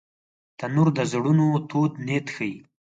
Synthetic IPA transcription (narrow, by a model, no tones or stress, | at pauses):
t̪ənuɾd̪əzɽunot̪od̪net̪xəji